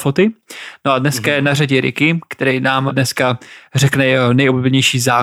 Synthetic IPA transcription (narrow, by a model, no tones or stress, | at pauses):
fot̪ɪnoadnɛskajɛnaraɟɪɾɪ̰kɪkt̪ɛɾɛjnaːmdnɛskarɛknɛjɛɦonɛjoblobɛɲɛjʃiːzaː